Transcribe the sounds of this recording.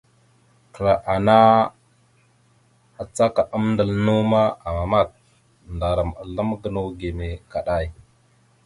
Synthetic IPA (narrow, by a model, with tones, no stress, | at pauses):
kə˨ɾa˨ʔa˨na˦ | a˨t͡sa˦ka˨ʔə˦mndə˨lnu˦ma˦a˨ma˨ma˦˨t̚ | nda˨ɾə˨ma̰˨lə˦mɡə˨nu˦ɡe˨me˨ka˨ɗa˦˨j